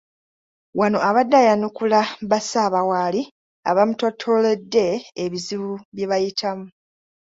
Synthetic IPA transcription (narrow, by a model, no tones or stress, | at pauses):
wano̞aβadːajanukulaβasaːβawaːli | a̰βamutotʰo̞le̞dːe̞ːβiziβuβjeβajitʰamu